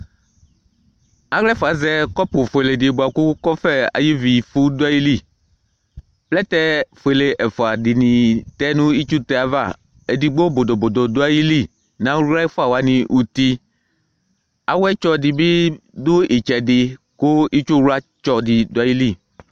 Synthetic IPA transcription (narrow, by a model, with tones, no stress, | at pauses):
a˦ɣlɛ˦fɔ˨a˨zɛ˦kɔ˦pʊ˨fo˨e˨le˨di˨bo˨a˨ku˦kɔ˦fɛ˦a̰˨ji˦vi˨fu˦do˦a˦ji˦li˦˨ | plɛ˦t̪ɛ˦fo˨e˨le˨ʔɛ˨fa˨dɪ˨nĩ˨t̪ɛ˦nũ˦i˦t͡ʃu˦t̪ɛ˦a˨va̰˦˨ | e˨di˨ɡ͡bo˦bo˨d̪o˨bo˨d̪o˨d̪o˦a˦ji˦li˦˨ | nã˦a˦i˦fɔ˦a˨wa˨˦nĩ˨ʔu˨t̪i˦ | a˨wɛ˦t͡ʃɔ˦di˨bi˦d̪o˦i˨t͡ʃɛ˨dɪ˨ | ko˦i˦t͡ʃu˦ɾu˦a˦t͡ʃɔ˨di˨d̪o˦a˦ji˦li˦˨